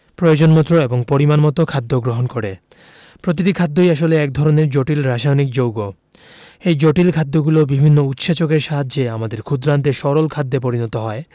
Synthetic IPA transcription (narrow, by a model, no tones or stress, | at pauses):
pɾojod͡ʑonmɔt̪ːɾoeboŋpoɾimanmɔt̪okʰad̪ʱːoɡɾoɦonkoɾe | pɾot̪̬iʈikʰad̪ːojaʃ̬oleɛkd̪ʱɔɾoneɾd͡ʑoʈilɾaʃajonik̚d͡ʑowɡo | ejd͡ʑoʈilkʰad̪ːoɡulobibʱinːout̪ʃat͡ɕokeɾʃaɦad͡ʑd͡ʑeamad̪eɾkʰud̪ɾant̪eʃɔɾolkʰad̪ːep̬oɾinɔt̪oɦɔe